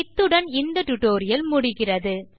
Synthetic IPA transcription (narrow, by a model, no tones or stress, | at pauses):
ɪt̪ːɯɽɐnɪnd̪ɐʈːʊʈːoːɾɪjɐlmʊɽɪɣɪrɐðɯ